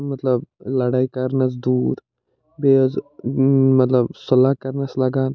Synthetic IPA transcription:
mɐt̪lɐblɐɽaːikɐɾnɐs̬d̪uːɾ | bez | mɐt̪ləbsʊlaːkɐɾnɐslɐɡaːn

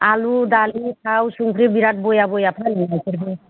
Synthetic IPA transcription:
alud̪alitʰawsuŋkʰɾibiɾat̚bojabɔjapʰaniaseɾbɔ

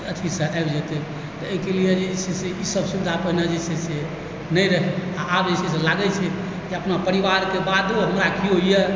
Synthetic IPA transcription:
ət͡ʃ̪ʰisẽajbd͡ʒɛt̪ɛ | t̪ɔekelijed͡ʒeseseisəbsubid̪ʱapəɦinad͡ʒesese | nəjɾəɦɛaʔːbd͡ʒesɛselaɡɛt͡ʃʰɛ | d͡ʒeəpnapəɾibaɾkebad̪oɦəmɾakiɦoije

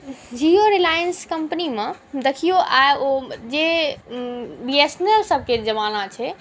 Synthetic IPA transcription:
d͡ʒioɾilajənskəmpənimẽd̪ekʰijoʔaeod͡ʒe | biesnelsəb̚ʱked͡ʒəmanat͡ʃʰɛ

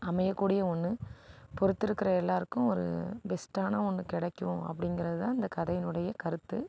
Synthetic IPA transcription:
ɐmɐjɐkːuːɽɪjɐɔnːɯpɔɾɯt̪ːɪɾɯkːɪɾɐɛlːaːɾɯkːʊ̃ɔɾɯ̰bɛsʈaːnɐɔnːɯkɪɽɐkːɯʋʊ̃ɐ̰pːɐɽɪŋɡɪɾɐðɯt̪ãːɪnd̪ɐkɐðɐjɪnɯɽɐjɐkɐɾɯt̪ːɯ

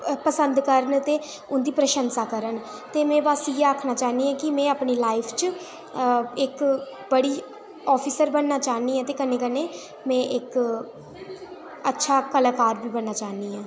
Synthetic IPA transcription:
pəsənd̪kəɾənt̪eː | ʊnd̪iːpɾəʃənsaːkəɾən | t̪eːmɛ̃ːʋaːsieaːkʰnaːt͡ʃaːniːɦɛ̃ːkɪmɛ̃ːaːpniːlaːɪpʰt͡ʃ | ɪk | bəɽiː | ɔːpʰiːsəɾbənːaːt͡ʃaːniːɛ̃ːt̪eːkəneːkənːeː | mɛ̃ːʔɪk | ətːʃʰaːkəlaːkaːɾbiːbənːaːt͡ʃaːniːãː

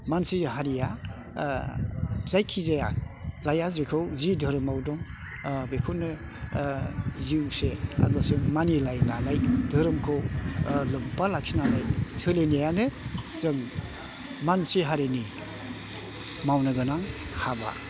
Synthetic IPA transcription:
mansihaɾija | zajkʰizajaz̥ajazekʰɯwzidʱɯɾɯmawdɔŋ | bekʰɯnɯ | zisea̰ɡɯsɯŋmanilajlanajdʱɯɾɯmkʰɯwlɯk̚balakʰinanajsɯlenijanɯzɯŋ | mansiɦaɾeni | mawnɯɡɯnaŋ | haba̰

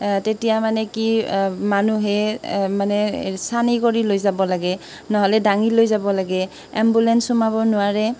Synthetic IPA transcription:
tetijamanɛkimanuɦɛmanɛsanikoɹilojzabɔlaɡɛ | nɔɦɔlɛdaŋilojzabɔlaɡɛ | ɛ̰mbulɛnsumabɔnʊwaɹɛ

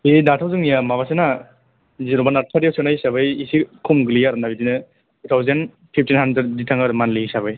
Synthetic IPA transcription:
edatʰawzɯŋijamabasena | ziɾɔbanaɾ̚tʰaɾjawsɯnajsaβɯjisikʰumɡɯlijaɾnabidinɯ | tʰutʰawzen | pʰip̚tʰinɦandɾed̚ditʰaŋaɾmanliisabɯj

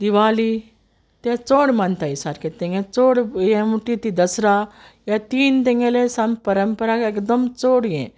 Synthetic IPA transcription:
d̪iʋali | t̪jɛ̃t͡soɽmant̪aisaɾket̪ẽŋɡẽt͡soɽjẽmuʈit̪id̪əsɾa | jat̪iːnt̪ẽŋɡelesampəɾəmpəɾakekd̪əmt͡soɽijḛ̃

